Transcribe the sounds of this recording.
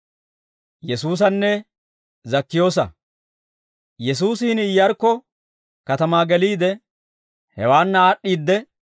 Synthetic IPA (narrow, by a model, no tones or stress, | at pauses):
jɛsuːs̬ɐnːɛ | zɐkːɪjo̞ːs̬ɐ̰ | jɛs̬uːsɪhɪnɪjːɐɾkːɔ | kɐt̪ɐmaːɡɛliːd̪ɛ | hɛwaːnːɐaːɗːiːd̪ːɛ